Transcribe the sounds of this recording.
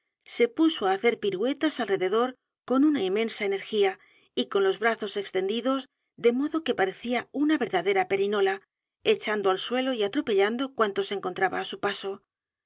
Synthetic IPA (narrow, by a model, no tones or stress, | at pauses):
se̞puso̞aːθe̞ɾpiɾwe̞t̪asalre̞ðe̞ðo̞ɾ | ko̞nunaimẽ̞nsaeneɾxia | iko̞nlo̞zβɾaθo̞se̞kst̪e̞nd̪iðo̞z | d̪e̞mo̞ðo̞kepaɾe̞θiaunaβe̞ɾðaðe̞ɾape̞ɾino̞la | e̞t͡ʃand̪oalswe̞lo̞iat̪ɾo̞pe̞ʎand̪o̞kwant̪o̞seŋko̞nt̪ɾaβa̰ːsupaso̞